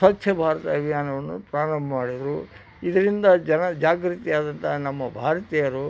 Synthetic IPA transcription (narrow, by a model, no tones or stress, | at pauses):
sɐt̪ʰjɐbʱaːɾɐt̪ɐʋijaːnɐʋɐnːupɾaːɽɐmbɐmaːɽid̪ɾu | id̪ɐɾind̪ɐd͡ʒɐnɐd͡ʒaːɡɾut̪ijaːd̪ɐnt̪ʰɐnɐmːɐbʱaːɾɐt̪ijɐɾu